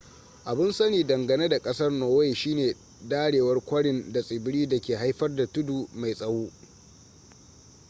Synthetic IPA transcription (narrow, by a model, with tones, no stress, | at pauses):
ʔa˨bɪ˦nsɐ˦niː˨dɐ˨ŋɡɐ˨neː˦da˨kʼɐ˦sɐ˦rnoː˨we˦jʃiː˦neː˨ | daː˦ɽeː˨wɐ˦rkʷɐ˦ɽɪ˨nda˨sʼɪ˨bɪ˦ɽiː˦dɐ˨kʲeː˨ɦa˦jɸɐ˦rda˨tʊ˦duː˨ma˨jsʼɐ˦wuː˦